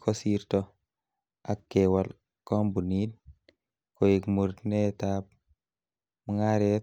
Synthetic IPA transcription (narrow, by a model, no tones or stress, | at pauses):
kɔsiɾtɔ | akːɛwal | kɔmbunin | kɔjikmuɾnɛtap̚ | muŋaɾɛ